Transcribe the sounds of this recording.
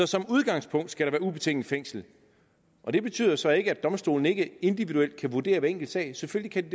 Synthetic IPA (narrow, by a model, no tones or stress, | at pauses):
ɒ̽sɒ̽muð̞ˠɡ̥ɑ̈ŋ̰spʰɔ̽ŋ̰d̥sɡ̥æɾɑ̈ʋæːɐub̥e̝t͡sʰeŋ̰n̩feŋ̰sl̩ | ʔɒ̽d̥e̝b̥e̝t͡sʰy̰ð̰ˠɐsɒ̽e̝ɡ̥əæd̥ɒ̽msd̥o̝̰ːln̩e̝ɡ̥əe̝nd̥iʋid̥uel̰d̥kʰæʋuɐd̥e̝̰ːɐʋæeŋ̰ɡ̥l̩d̥sɛ̰ɪseføl̰likʰæd̥id